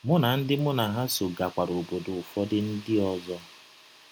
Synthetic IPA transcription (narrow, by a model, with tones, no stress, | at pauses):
mʊ˦na˨n̩˦dɪ˦mʊ˦na˨ɦa˦so˨ɡa˨kʷa˨ɾo˨bo˨do˨ʊ˨fɔ˦dɪ˦n̩˦dɪ˦ɔ˨zɔ˦